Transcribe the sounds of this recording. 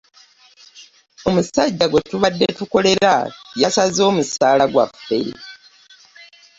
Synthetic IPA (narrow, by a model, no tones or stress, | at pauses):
o̞musaɟːaɡwe̞tuβadːe̞tuko̞le̞ɾajasazo̞ːmusaːlaɡwa̰fḛ